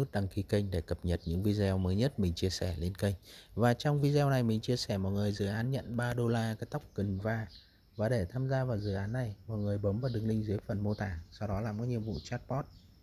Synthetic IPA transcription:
ɨ˦˥k̚ɗa˨˧˩ŋki˨˧kə˧jŋ̟ɗe˧˩kə˨˩p̚ɲə˨˩t̚ɲɨ̰˧˥ŋvi˧zɛː˧wməː˨˦jɲə˦˥t̚mï˨˩ŋ̟t͡ɕi˧əsɛ˧˩le˧nkə˧jŋvaː˨˩t͡ɕɔ˧wŋ͡mvi˧zɛ˧wna˨˩jmï˨˩ŋ̟t͡ɕi˧əsɛ˧˩mɔ̰˨˩t̚ŋɨ˨˩əjzɨ̰˧˩ʔaː˨˦nɲə̰˧˨nɓaː˧ɗo˧laː˧kaː˨˦jt̪a˦˥wk͡p̚ki˨˩ŋvaː˧˩ | vaː˨˩ɗe˧˩t̪ʰaː˧mzaː˧vaː˨˩wzɨ̰˧˨ʔaː˨˦nːa˨˩jmɔ̰˨˩t̚ŋɨ˨˩əjɓə˨˦mvaː˨˩ɗɨ˨˩ŋlï˧ŋ̟zɨ˨˦jfə˨˩nmo˧t̪aː˧˩sɔ˧wɗɔ˨˦laː˨˩mkɔː˨˦ɲi˨əmvṵ˧˨t͡ɕaː˦˥t̚pɔ˦˥t̚

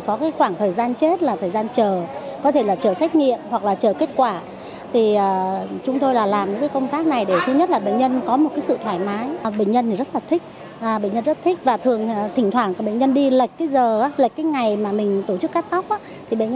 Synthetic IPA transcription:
kɔ˨˦kaː˨˦jxwaː˧˩ŋt̪ʰəː˨˩jzaː˧nt͡ɕe˦˥t̚laː˨˩t̪ʰəː˨˩jzaː˧nt͡ɕəː˨˩kɔ˨˦t̪ʰe˧˩laː˨˩t͡ɕəː˨˩sa˦˥jk̟̚ŋḭ˧˨əmhwa˨˩k̚laː˨˩t͡ɕəː˨˩ke˦˥t̚kwaː˧˩ | t̪ʰi˨˩əː˨˩t͡ɕʊ˨˦ŋ͡mt̪o˧jlaː˨˩laː˨˩mɲɨ̰˧˥kaː˨˦kə˧wŋ͡mt̪aː˦˥k̚na˨˩jɗe˧˩t̪ʰɨ˧ɲə˦˥t̚laː˨˩ɓḛ˧˨ŋ̟ɲə˧nkɔ˨˦mo˨˩t̚kaː˨˦jsɨ̰˧˨t̪ʰwaː˧˩jmaː˨˦jɓḛ˧˨ŋ̟ɲə˧nt̪i˨˩zə˦˥t̚laː˨˩t̪ʰï˦˥k̟̚ | ʔːɓḛ˧˨ŋɲə˧nzə˦˥t̚t̪ʰï˦˥k̟̚vaː˨˩t̪ʰɨ˨˩əŋ˨˩t̪ʰï˨˩ŋ̟t̪ʰwaː˧˩nka˨˩ɓḛ˧˨ŋ̟ɲə˧nɗi˧lə˨˩jk̟̚kːaː˨˦jzəː˨˩aː˨˦lə˨˩j̚kaː˨˦jŋa˨˩jmaː˨˩mï˨˩ŋ̟t̪o˧˩t͡ɕɨ˦˥k̚ːaː˦˥k̚t̪a˦˥wk͡p̚ʔaː˨˦t̪ʰi˨˩ɓḛ˧˨ŋɲ

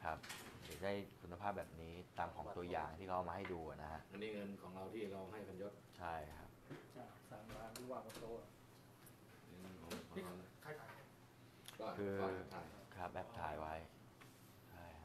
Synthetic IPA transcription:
kʰa˦˥p̚daː˨˩da˥˩jkʰu˧nːa˧pʰaː˥˩p̚bɛː˨˩p̚niː˦˥t̪aː˧mkʰɔː˩˦ŋt̪u˧ɐjaː˨˩ŋt̪ʰiː˥˩kʰa˦˥ʔa˨˧maː˧ha˥˩jduː˧a˨˩na˦˥kʰa˦˥ʔʔa˧nːiː˥˩ŋɤ˧nkʰɔː˩˦ŋɾa˧wt̪ʰiː˥˩ɾa˧wɦa˥˩jkʰa˧njo˦˥˩t̪̚t͡ɕʰa˥˩jkʰa˦˥p̚t͡ɕa˨˩saː˨˩˦ŋlaː˧nɾu˥˩waː˧˩pɔ˧t̪oː˧˩˨ | n˧kʰɔː˨˦ŋkʰɔ˨˦ɾkʰa˧jt̪ʰaː˨˦ja˧˩˥ | kʰɯː˧a˧˩kʰa˦˥p̚ʔɛ˦˥p̚t̪ʰaː˨˩jwa˦˥j | t͡ɕʰa˥˩jʰa˦˥

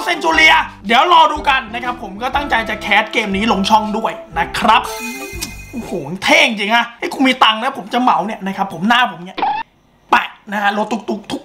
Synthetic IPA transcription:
se˧nt͡ɕuː˧li˧ɐdi˨˩˦ə˦wɾɔː˧duː˧ka˧nːa˦˥kʰa˦˥pʰːo˨˩˦mkɔː˥˩t̪a˥˩ŋt͡ɕa˧jt͡ɕaː˨˩kʰɛː˦˥t̪̚keː˧mniː˦˥lo˧ŋt͡ɕʰɔ˥˩ŋdu˥˩əjna˦˥kʰɾa˦˥p̚ | ʔo˧˩huː˨˩˦t̪ʰeː˥˩i˧t͡ɕi˧ŋka˦˥ha˥˩jkʰu˧nmiː˧t̪a˧ŋna˦˥pʰo˩˦mt͡ɕa˨˩ma˨˩˦wni˥˩ɐna˦˥kʰa˦˥pʰːo˨˩˦mnaː˥˩pʰo˨˩˦mni˥˩ɐ | pa˧˩na˦˥kʰa˦˥lo˧t̪ʰːu˧˩k̚t̪u˧˩k̚t̪ʰu˦˥k

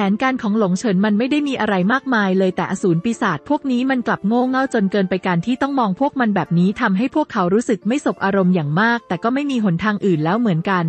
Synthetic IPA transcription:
pʰɛː˩˦nkaː˧nkʰɔː˩˦ŋlo˨˩˦ŋt͡ɕʰɤ˩˦nma˧nma˥˩jda˥˩jmiː˧ʔa˧ɾa˧jmaː˥˩k̚maː˧jlɤː˧jt̪ɛː˨˩ʔa˧suː˩˦npiː˧saː˨˩t̪̚pʰu˥˩ək̚niː˦˥ma˧nkla˨˩p̚ŋoː˥˩ŋa˥˩wt͡ɕo˧nkɤː˧npa˧jka˧nt̪ʰiː˥˩t̪ɔ˥˩ŋmɔː˧ŋpʰu˥˩ək̚ma˧nbɛː˨˩p̚niː˦˥t̪ʰa˧mɦa˥˩jpʰu˥˩əkʰːa˩˦wɾuː˦˥sɯ˨˩k̚ma˥˩jso˨˩p̚ʔaː˧ɾo˧mjaː˨˩ŋmaː˥˩k̚t̪ɛː˨˩kɔː˥˩ma˥˩jmiː˧ɦo˩˦nt̪ʰaː˧ŋʔɯː˨˩nlɛː˦˥wmɯ˩˦ənka˧n

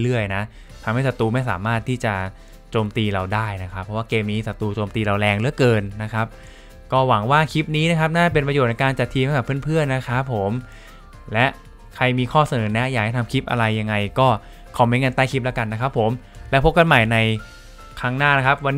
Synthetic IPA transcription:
lɯ˥˩əjna˦˥ʔ | t̪ʰa˧mha˥˩jsa˨˩t̪uː˧ma˥˩js̬aː˩˦maː˥˩t̪ʰːiː˥˩t͡ɕa˨˩ | t͡ɕoː˧mt̪iː˧ɾa˧wdaː˥˩jna˦˥kʰa˦˥pʰːɔ˦˥waː˥˩keː˧mniː˦˥sa˨˩t̪uː˧t͡ɕoː˧mt̪iː˧ɾa˧wlɛː˧ŋɾɯ˦˥əkɤː˧nːa˦˥kʰa˦˥p̚ | kɔː˥˩wa˩˦ŋwaː˥˩kʰi˦˥p̚niː˦˥na˦˥kʰa˦˥p̚naː˥˩pe˧npɾjoː˨˩na˧jkaː˧nt͡ɕa˨˩t̪ʰːiː˧ma˥˩kːa˨˩pʰɯ˥˩ənpʰɯ˥˩ənːa˦˥kʰa˦˥pʰːo˩˦m | lɛ˦˥ʔ | kʰa˧jmiː˧kʰɔː˥˩sa˧nɤː˩˦nɛ˦˥jaː˨˩k̚t͡ɕa˧˩t̪ʰa˧mkʰi˦˥p̚ʔa̰˧ɾa˧jːa˧ŋːa˧jkɔː˥˩ | kʰa˨˩miː˧ŋɤ˧nt̪aː˥˩jkʰi˦˥p̚lɛ˦˥ka˧nːa˦˥kʰa˦˥pʰːo˩˦m | lɛ˦˥pʰo˦˥p̚ka˧nma˨˩jna˧j | kʰaː˥˩ŋnaː˥˩na˦˥kʰa˦˥p̚wa˧nː

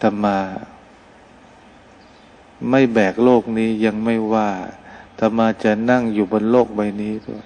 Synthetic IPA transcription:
t̪ʰa˧˩maː˧ | ma˥˩jbɛː˨˩k̚loː˥˩k̚niː˦˥ja˧ŋma˥˩jwaː˥˩t̪ʰa˧˩maː˧t͡ɕa˨˩na˥˩ŋjuː˨˩bo˧nloː˥˩k̚ba˧jniː˦˥t̪ṵ˧˩

